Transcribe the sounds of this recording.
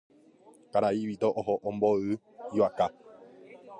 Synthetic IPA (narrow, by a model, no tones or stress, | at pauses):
kaɾaiʋit̪oʔoɦoʔõmboɨ | iwaka